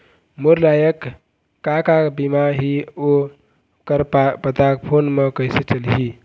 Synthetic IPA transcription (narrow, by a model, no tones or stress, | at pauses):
moɾlajəkː | akabimaɦio | kəɾpapət̪ak̚pʰonmekəjset͡ʃəlɦi